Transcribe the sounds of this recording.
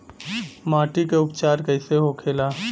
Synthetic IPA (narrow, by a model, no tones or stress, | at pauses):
maːʈikeʊpt͡ʃaːɾkəɪseɦokʰeːlaː